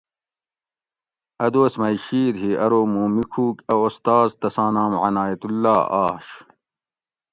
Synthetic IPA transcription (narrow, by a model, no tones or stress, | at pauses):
ɐd̪oːsmɐjɕiːɾɦiɐɾoːmuːmikʰuːkɐost̪aːzt̪ɐsãːnaːmʕɐnaːjɐt̪ulːaːa̰ːɕ